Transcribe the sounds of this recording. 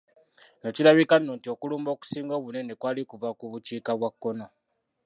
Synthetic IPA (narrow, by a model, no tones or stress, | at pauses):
nocilaβikanːontio̞kuluːmbo̞ːku̥siːŋɡoːβune̞ne̞kwaːlikuvakuβut͡ʃiːkaβwakːo̞no̞